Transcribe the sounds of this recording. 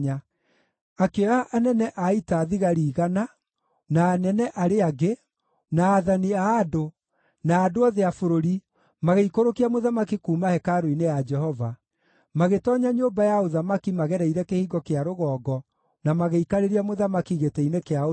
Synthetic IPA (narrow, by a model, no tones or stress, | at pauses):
a | akeaʔːnɛnɛʔaitaːðiɣaɾiːɣana | naːnɛnɛʔaɾeaɣe | naːðaniaːdo | naːdoaðeafoɾoɾi | maɣeikoɾokiamoðamakikuːmahɛkaɾoinejad͡ʒɛhɔva | maɣetɔːɲaɲobajaoðamakimaɣɛɾɛiɾɛkehiːɡɔkeaɾoɣɔːɡɔ | namaɣeikaɾeɾiamoðamakiɣetɛinekeao